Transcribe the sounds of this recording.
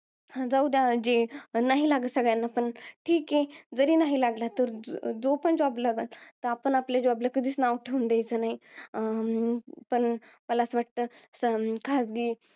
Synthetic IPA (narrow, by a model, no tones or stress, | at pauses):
d͡zaud̪jad͡ʑenaɦilaɡəsəɡɭjanːapəɳʈʰiːkɦed͡zəɾiːnaɦilaɡlat̪əɾd͡zopəɳd͡ʑɔblaɡəlt̪əapəɳapljad͡ʑeabləkəd̪ʱiːsnaʋkʈʰeʋund̪ajt͡səːnaɦi | pəɳ | məlasʋaʈ̚t̪əsəkʰad͡zɡiː